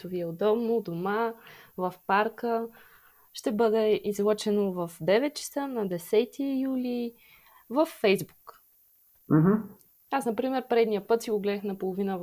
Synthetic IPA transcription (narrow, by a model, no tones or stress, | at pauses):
t̪ʊviɛod̪ɔbnod̪omavɐfpaɾkə | ʃt̪ɛbɤd̪ɛizlˠɔt͡ʃɛnovɐfd̪ɛvɛt̪̚t͡ʃə̥sənɐd̪ɛsɛt̪ʰijuli | vɐfːɛjzbuk | m̩ɦ̩ | asnɐpɾimɛɾpɾɛd̪nijəpɤt̪siɡoɡlɛd̪əxnɐpolˠovinəv